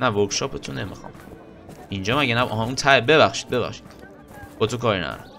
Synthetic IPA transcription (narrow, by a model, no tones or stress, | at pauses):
nævoɾkʃɒːpʰet̪ʰonemixɒ̰m | ind͡ʒɒːmæɟenæʔɦunt̪ʰæebe̞βæχʃi̥d̪̚be̞βæ̰χʃi̥d̪̥ | b̥ɒːt̪okʰɒːɾinæ̰ɾo̰